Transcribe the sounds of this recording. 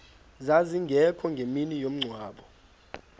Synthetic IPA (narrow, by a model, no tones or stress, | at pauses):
zaziŋɡʱɛkʰɔŋɡʱeminijom̩ŋ͡ǀʱwaːɓɔ